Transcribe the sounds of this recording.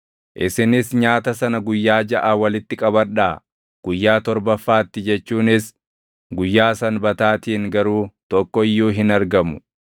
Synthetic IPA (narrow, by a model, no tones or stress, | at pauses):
ʔɪsɪnɪsɲaːt̪ɐsɐnɐɡʊjːaːd͡ʒɐʔaːwɐlɪt̪ːɪkʼɐbɐᶑaː | ɡ̥ʊjːaːt̪ɔɾbɐfːaːt̪ːɪd͡ʒɛt͡ʃːuːnɪs | ɡʊjːaːsɐnbɐt̪aːt̪iːŋɡɐɾuːt̪ɔkːɔɪjːuːɦɪnɐɾɡɐmʊ̥